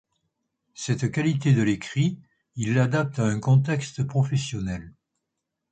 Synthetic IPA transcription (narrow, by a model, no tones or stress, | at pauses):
sɛt̪kalit̪ed̪əlekχi | ilːad̪ap̚t̪aɛ̃kɔ̃t̪ɛkst̪pχɔfɛsjɔnɛl